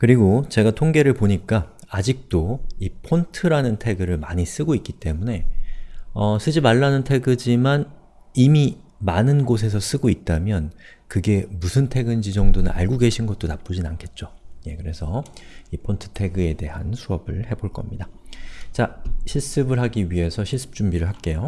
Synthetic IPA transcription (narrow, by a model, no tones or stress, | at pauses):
kɯɾiɡot͡ɕe̞ɡatʰoŋɡe̞ɾɯɭpoɲik͈aː | d͡ʑik̚t͈oipʰontʰɯɾanɯntʰe̞ɡɯɾɯɭmaɲis͈ɯɡoik͈it͈e̞mune̞ | ʌs͈ʰɯd͡ʑimaɭːanɯntʰe̞ɡɯd͡ʑiman | imimanɯnɡos̬ʰe̞s̬ʰʌs͈ɯɡoit̚t͈amjʌn | kɯɡe̞musʰɯntʰe̞ɡɯnd͡ʑid͡ʑʌŋdonɯna̰ɭɡoɡe̞ɕʰinɡʌt̚t͈onap͈od͡ʑinankʰe̞t̚t͡ɕ͈oje̞kɯɾe̞sʰʌipʰontʰɯ̥tʰe̞ɡɯe̞de̞ɦa̰nsʰuʌbɯɭhe̞boɭk͈ʌmɲidat͡ɕaɕʰiɭs͈ɯbɯɭɦaɡiɥiɦe̞sʰʌɕʰiɭs͈ʰɯ̥p̚t͡ɕ͈umbiɾɯɭɦak͈e̞jo